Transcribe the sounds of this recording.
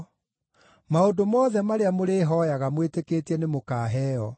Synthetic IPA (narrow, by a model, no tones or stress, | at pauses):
maondomɔðɛmaɾeamoɾeːɦɔjaɣamwetekeːtiɛnemokaːɦɛːɔ